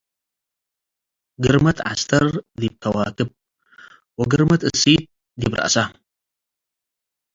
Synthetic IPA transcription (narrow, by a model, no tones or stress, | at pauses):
ɡɨɾmɐt̪ʕa̰st̪ʰɐɾd̪ib̚kʰɐwaːkɨp̚ | wɐɡɨɾmɐt̪ɨsit̪̚ | d̪ibɾʔa̰ʔsa